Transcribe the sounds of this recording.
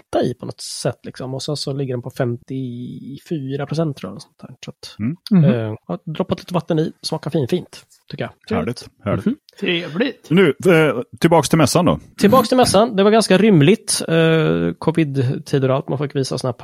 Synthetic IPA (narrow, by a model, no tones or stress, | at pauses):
t̪aɪ̰pʰɔnɔ̰t̪sɛt̪ːlɪksɔmɔsɛnsɔlɪɡːəɖɛnpʰɔfɛmt̪ɪfyːɾapʰɾʊs̬ɛnt̪ʰːɾɔ̰ːɔsɔ̥nt̪ʰæ̰ːsat̪ː | ɑd̪ɾɔpːat̪liːt̪əvat̪ːəniːsmɑːkaɾfiːnfiːnt̪ʰː | ʏkːəjaæːɭɪhæ̰ | t̪ʰɾeːvlɪt̪nʉ̟ːt̪ʰɪlbɑːkst̪ʰɪlmɛsːand̪ɔ̰t̪ʰɪlbɑːkst̪ɪlmɛsːand̪ɛvaɾɡanskaɾʏmːlɪt̪ | kʰɔvɪd̪t̪ʰiːd̪əɾalt̪manfɪkːviːsasɪnhæːpʰ